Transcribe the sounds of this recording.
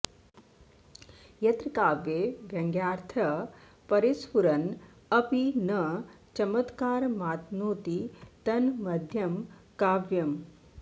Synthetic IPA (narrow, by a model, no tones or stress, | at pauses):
jɐt̪ɾkaːʋjeːʋjɐŋɡjaːɾt̪ʰɐ | pɐɾispuɾɐn | ɐpinɐ | t͡ʃɐmɐt̪kaːɾmaːt̪noːt̪it̪ɐnmɐd̪ʱjɐmkaːʋjɐm